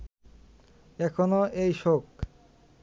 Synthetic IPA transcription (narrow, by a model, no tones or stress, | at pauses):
ɛkʰonoejʃok